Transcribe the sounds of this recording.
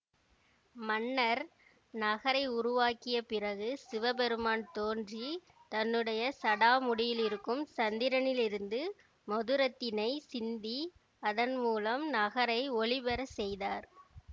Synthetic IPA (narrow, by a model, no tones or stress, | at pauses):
mɐnːɐɾ | nɐɣɐɾɐɪʊɾʊʋaːkɪjɐpɪrɐɣɯsɪʋɐbɛɾɯmaːnt̪oːndri | t̪ɐnːɯɽɐjɐsɐɽaːmʊɽɪjɪlɪɾɯkːɯmsɐnd̪ɪɾɐnɪlɪɾɯnd̪ɯ | mɔðɯɾɐt̪ːɪnɐɪsɪnd̪i | ɐðɐnmuːlɐmnɐɣɐɾɐɪɔɭɪbɛɾɐsɛjðaːɾ